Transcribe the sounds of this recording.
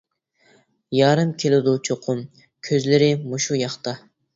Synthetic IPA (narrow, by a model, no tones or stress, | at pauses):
jɑːɾɨmkʲʰelɪd̪ut͡ʃʰoqʰʊm | kʲʰøzlɪɾɪmuʃujɑχt̪ɑ